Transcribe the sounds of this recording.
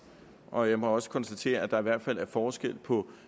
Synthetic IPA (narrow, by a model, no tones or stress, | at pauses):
ʔɒ̽jɑ̈ɪmɒ̽ɒ̽sə̥kʰɒ̽nsd̥æt͡sʰe̝̰ːɐæd̥ɑ̈iʋæɐ̰d̥fæl̰æɐfɒːsɡ̥el̰pʰɒ̽